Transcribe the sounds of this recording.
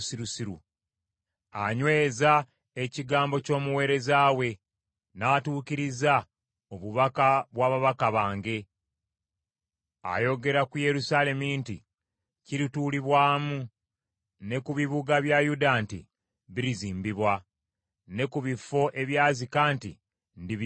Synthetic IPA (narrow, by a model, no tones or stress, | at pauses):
siɾusiɾu | aɲwe̞ːza | eciɡaːmbo̞co̞ːmuwe̞ːɾe̞zaːwe̞ | naːtuːciɾiza | o̞βuβakaβwaːβaβakaβaːŋɡe̞ | a̰jo̞ɡe̞ɾakuje̞ɾusale̞mintḭ | ciɾituːliβwaːmu | ne̞kuβiβuɡaβjajudantḭ | βiɾiziːmbiβwa | ne̞kuβifo̞ʔe̞βjaːzikaːntḭ | ndiβ